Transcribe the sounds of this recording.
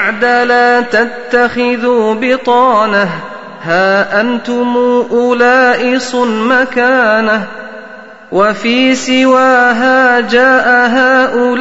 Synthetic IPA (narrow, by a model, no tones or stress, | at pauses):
ʕd̪alaːt̪at̪ːaxɪðuːbɪt̪ˤɑːnah | haːʔant̪ʊmuːʔʊlaːʔɪsˤʊnmakaːna | wafiːsɪwaːɦaːd͡ʒaːʔaɦaːʔʊl